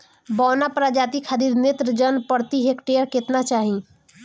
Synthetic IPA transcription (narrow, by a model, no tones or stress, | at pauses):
bɔwnapɾad͡ʒat̪ikʰad̪iɾnet̪ɾəd͡ʒənpəɾt̪iɦekʈeəɾket̪nat͡ʃaɦĩ